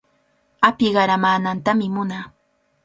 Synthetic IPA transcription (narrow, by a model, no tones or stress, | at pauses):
apɪɢɑɾamaːnant̪amɪmʊnaː